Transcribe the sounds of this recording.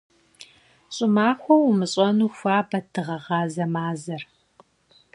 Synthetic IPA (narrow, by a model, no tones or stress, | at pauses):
ɕʼɪmaːxʷɔwʊmɨɕʼɐnuːxʷaːbɐtʰɨʁɐʁɑːzɐmaːzɐr